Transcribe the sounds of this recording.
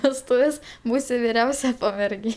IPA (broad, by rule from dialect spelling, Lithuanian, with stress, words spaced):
ʋʲɛsˈtʊʋʲeːs ˈbuːsʲɪ ʋʲɪˈrʲɛʊsʲɛ pɐmʲɛrʲˈɡʲeː